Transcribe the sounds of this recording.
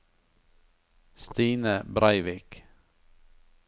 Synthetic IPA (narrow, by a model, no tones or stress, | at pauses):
st̪iːnəbɾʔæɪʋɪk